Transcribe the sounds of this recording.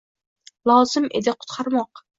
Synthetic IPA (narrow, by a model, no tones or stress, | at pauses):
lˠɑwz̥ɨmʔḛd̪ɪqʰʊ̥t̪qʰɑɾmɑq